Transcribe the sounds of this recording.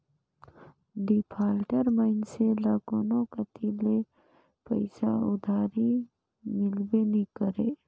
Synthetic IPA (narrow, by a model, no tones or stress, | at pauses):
ɖipʰaːlʈəɾməɪnselaɡoːnõkət̪ʰile | pə̰ɪsaʊd̪ʱaːɾi | mɪlbenikəɾeː